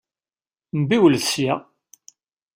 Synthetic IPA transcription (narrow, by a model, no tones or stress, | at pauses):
mbiwəlðsja